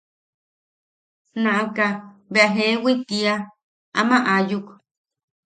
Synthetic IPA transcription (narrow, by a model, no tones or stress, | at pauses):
nãʔakaβeʔaɦewit̪ia | a̰mãʔajuk